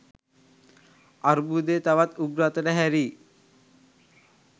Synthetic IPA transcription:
aɾbuːd̪eːt̪aʋat̪uɡɾat̪əɖəɦæɾiː

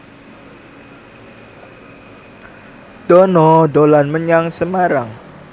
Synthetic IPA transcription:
d̥ɔnɔdolanməɲaŋsəmaɾaŋ

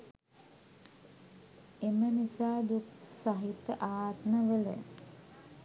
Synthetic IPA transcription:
emənisaːd̪uksaɦit̪ːəʔaːt̪nəʋələ̰

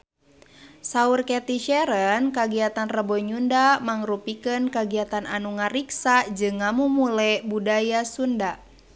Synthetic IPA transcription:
saurkɛt̪iʃɛɾənkaɡiat̪anrəbɔɲundamaŋrupikənkaɡiat̪ana̰nuŋaɾiksad͡ʒɨŋːamumulɛbudajasunda

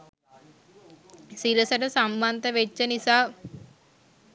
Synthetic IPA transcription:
siɾɐsɐʈɐsɐmbant̪ɐʋet͡ʃːɐnisaː

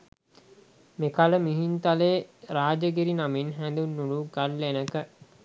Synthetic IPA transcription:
mekaləmiɦint̪aleːɾaːd͡ʒəɡeɾinaminɦænd̪unːuluɡalːenəkə

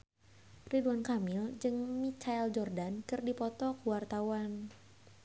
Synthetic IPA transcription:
riduankamɪld͡ʒɨŋmit͡ʃaɛld͡ʒɔrdankɨrdipɔt̪ɔkəwart̪awan

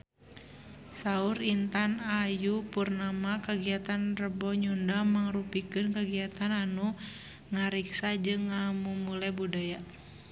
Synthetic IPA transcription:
sauɾint̪anajupurnamakaɡiat̪anrəbɔɲundamaŋrupikɨnkaɡiat̪ananu | ŋaɾiksad͡ʒɨŋːamumulɛbudaja

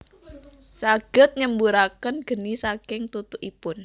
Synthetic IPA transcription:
saɡ̥ət̪̚ɲəmbuɾakənɡ̥ə̤nisakɪŋt̪ut̪uʔipʊn

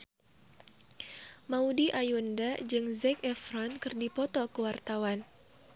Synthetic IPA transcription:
maudiʔajundad͡ʒɨŋzɛkɛfɾɔnkɨrdipɔt̪ɔkəwart̪awan

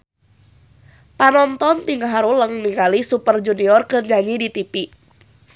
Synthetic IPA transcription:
panɔnt̪ɔnt̪iŋɡaɦaɾuləŋniŋkalisupərd͡ʒuniɔrkɨrɲaɲidit̪ipi

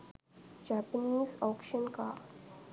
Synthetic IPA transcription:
d͡ʒaːpəniːzɔːkʃənka̰

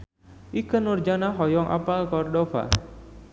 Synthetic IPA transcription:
ʔikənurd͡ʒanaɦɔjɔŋʔa̰palkɔrdɔfa̰

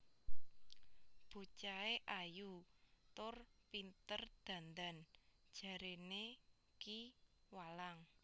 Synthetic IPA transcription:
b̥o̤t͡ʃaeʔajut̪ʊrpint̪ərd̪̥ä̤nd̪a̤nd̥ʒ̥ä̤ɾene | kiwalaŋ

